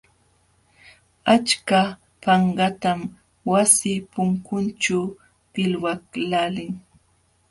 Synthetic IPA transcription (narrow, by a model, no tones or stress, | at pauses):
at͡ʃka | pɑɴɢɑt̪am | wasɪpʊŋkʊnt͡ʃa | pɪlwaklalɪŋ